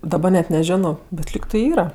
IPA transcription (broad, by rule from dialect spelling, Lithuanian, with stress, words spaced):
dɐˈbɐ nʲɛt nʲɛˈʒʲæːnoː bʲɛt ˈlʲiːk tɐɪ ˈiːrɐ